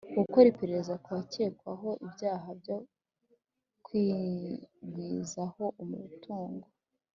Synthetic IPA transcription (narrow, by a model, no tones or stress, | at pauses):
kuko̞ɾipe̞ɾe̞ɾezakuβace̞ːkwaɦo̞ʔibjaːɦabɟo | kwiː | ɡiːzaho̞ʔumṵtʰuːŋɡo